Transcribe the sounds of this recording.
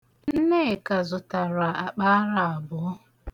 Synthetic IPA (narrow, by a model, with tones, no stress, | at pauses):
n̩˦ne˦˨ka˨zʊ˨ta˨ɾa˨a˨k͡pa˦ɾa˨a˨bʊ˨˦